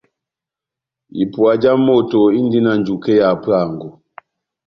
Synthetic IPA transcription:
ḭ˨pu˨a˨d͡ʒa˦mɔ˦˨tɔ˨i˦ndi˦na˨nd͡ʒu˨kɛ˦ja˨pa˦˨ŋɡu˨

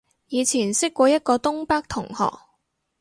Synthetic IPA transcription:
jiː˨˧t͡sʰiː˨˩nsɪ˥kːʷɔː˧jɐ˥t̚kɔː˧t̪ʊ˥ŋpaː˥k̚t̪ʰʊ˨˩ŋhɔ̰ː˨˩k̚

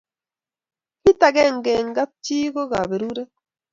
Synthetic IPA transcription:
ki˦ta˨ɡɛ˦˨ŋɡɛ˨ŋ˦ɡa˦p̚t͡ʃi˦ɡo˦ɡa˨be˨ɾu˦ɾe˦

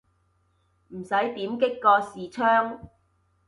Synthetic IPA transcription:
m̩˨˩sɐ˨˥jt̪iː˨˥mkɪ˥kːɔː˧siː˨t͡ʃʰœː˥ŋ

